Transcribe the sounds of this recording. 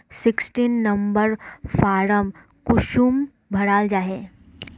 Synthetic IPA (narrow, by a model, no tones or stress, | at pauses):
sɪksʈiːnːɐmbəɾfaːɾəm | kʊʃuːm | bʱɐɽaːld͡ʒaːɦeː